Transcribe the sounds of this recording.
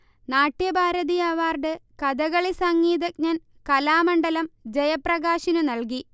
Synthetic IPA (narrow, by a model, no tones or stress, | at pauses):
naːʈːjɐbʱaːɾɐðijaʋaːrɖɨkɐd̪ɐɣɐɭisɐŋːiːd̪ɐk̚ɲɐn | kɐlaːmɐɳɖɐlɐmd͡ʑejɐprɐɣaːɕinunɐlk̬i